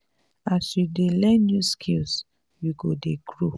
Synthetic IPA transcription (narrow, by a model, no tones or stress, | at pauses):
asjudelɛ̃ndjuskʰils | juɡodeɡɹo